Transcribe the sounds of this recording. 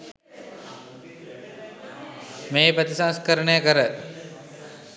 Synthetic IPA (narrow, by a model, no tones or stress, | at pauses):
meːpət̪isãnskəɾəɳəjəkəɾə